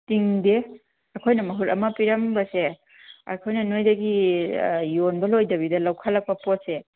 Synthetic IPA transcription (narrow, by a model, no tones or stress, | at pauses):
tiŋde | ɐkʰojnɐmɐɦuɾɐmɐpiɾɐmbɐse | ɐ̰kʰojnɐnojdɐɡi | jonbɐlojdɐbidɐlawkʰɐlɐk̚pɐpot̚se